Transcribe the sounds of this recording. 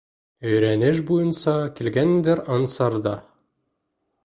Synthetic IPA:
ɵ̆jɾænɘʃ̬bujɤnsɑkilɡænd̪ɘɾɑnsɑɾd̪ɑ

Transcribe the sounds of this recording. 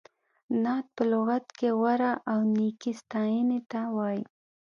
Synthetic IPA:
nɑt̪̚pəlʊɣat̪kewaɾaʔawnikist̪ɑjənet̪awɑji

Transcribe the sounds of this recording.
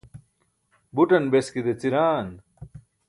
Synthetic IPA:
buʈɐnbeskid̪et͡siɾaːn

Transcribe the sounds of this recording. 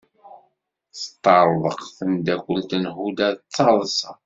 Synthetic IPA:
sət̪ˤːɑɾˤðˤəqθənd̪ækʷːəlt̪ənhud̪æt͡sːɑðˤsɑ

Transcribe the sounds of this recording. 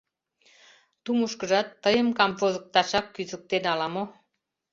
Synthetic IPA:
t̪umuʃkəʒɑt̪ːəjəmkɑmvozə̆k̚t̪ɑʃɑkːyzə̆k̚t̪enɑlɑmo

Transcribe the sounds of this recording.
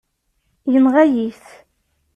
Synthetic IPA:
jənʁajiθ

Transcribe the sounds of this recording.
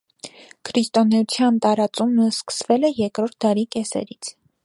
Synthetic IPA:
kʰɾist̪ɔnɛut͡sʰjɑnt̪ɑɾɑt͡suməskə̥svɛlɛjɛɾkɾɔɾt̪̚d̪ɑɾikɛsɛ̰ɾit͡sʰ

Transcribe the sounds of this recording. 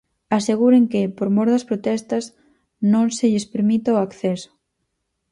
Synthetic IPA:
aseɣ̞uɾeŋkɪpoɾmoɾðɐspɾot̪ɛst̪ɐz | nõŋseʎɪspeɾmit̪aoakθɛso̥

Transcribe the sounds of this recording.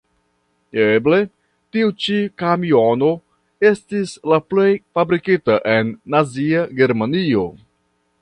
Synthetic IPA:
eble̞ | tiut͡ʃikamio̞no̞ | e̞stislaple̞jfabɾikitaʔe̞nːaziaɡe̞ɾmanio̞

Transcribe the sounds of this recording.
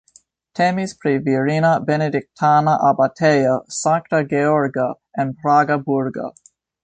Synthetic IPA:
tʰɛmispʰɾiviɹinəbɛnedɪk̚tʰanaʔabatʰejəsãŋk̚təɡeɔɹɡa | ɛ̃npʰɾaːɡɐbuɾɡɐ̰

